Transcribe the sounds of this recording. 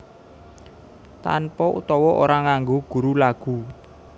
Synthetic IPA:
t̪a̰npɔʔṵt̪ɔwɔʔo̰ɾaŋaŋɡoɡ̥ṳɾulaɡ̥u

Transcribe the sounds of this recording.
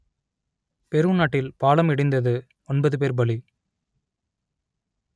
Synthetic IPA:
pɛɾɯnaːʈːɪlpaːɭɐmɪɽɪnd̪ɐðɯ | ɔnbɐðɯp̬eːɾbɐɭi

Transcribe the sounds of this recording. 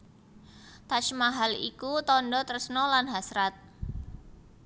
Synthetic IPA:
t̪at͡ʃmaɦalḭkut̪ɔndɔt̪ərsənɔlanɦasɾat̪̚

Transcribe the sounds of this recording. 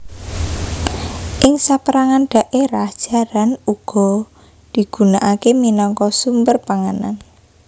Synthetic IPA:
ʔɪŋsapəɾaŋanɖ̥a̤ʔeɾahd̥ʒ̥a̤ɾanuɡ̥ɔ̤ | d̪̥i̤ɡ̥ṳnaʔakeminɔŋkɔsumbərpaŋana̰n

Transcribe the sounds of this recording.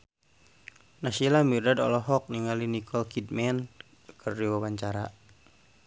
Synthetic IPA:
nasilamirdadɔ̰lɔɦɔk̚niŋalinikʰɔlkid̚mɛn | kʰərdiwawaɲt͡ʃaɾa

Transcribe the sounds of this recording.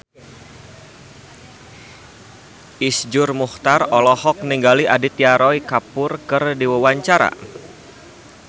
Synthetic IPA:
ʔisd͡ʒʊrmuht̪arɔlɔhɔk̚niŋɡaliʔadɪt̪̚jaɾɔikapʊrkɨrdiwawaɲt͡ʃaɾa̰

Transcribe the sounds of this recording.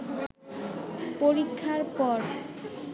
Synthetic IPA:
poɾikʰːaɾpɔɾ

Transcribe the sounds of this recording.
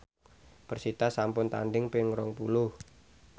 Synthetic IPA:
b̥ərsit̪asampʊnt̪a̰nɖɪŋpɪŋɾɔŋpulʊh

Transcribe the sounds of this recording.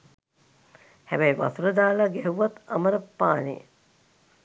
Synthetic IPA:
hæbɛjʋa̰t̪uɾəd̪aːlaɡɛɦuʋat̪aməɾəpːaːnḛ

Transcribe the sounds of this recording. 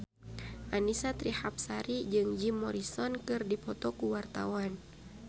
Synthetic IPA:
ʔanisat̪ɾihap̚saɾid͡ʒɨŋd͡ʒimːɔɾisɔnkɨrdipɔt̪ɔkuwart̪a̰wan

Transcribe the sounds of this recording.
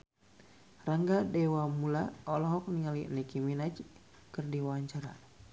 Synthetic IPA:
raŋɡadɛwamulaɔlɔɦɔk̚niŋalinikiminad͡ʒ | kɨrdiwaaɲt͡ʃaɾa̰

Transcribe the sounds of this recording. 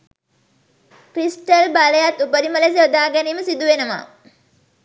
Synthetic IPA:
kɾisʈɐlbaləjat̪ːupəɾiməles̬eod̪aːɡæniːməsid̪uʋenəʋa̰ː

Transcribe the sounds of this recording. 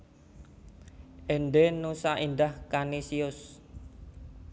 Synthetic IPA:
ʔenɖ̪enusaʔind̪ahkanisiʊs

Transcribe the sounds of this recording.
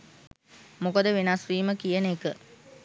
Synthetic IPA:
mukəd̪əʋenasriːməkijənekə

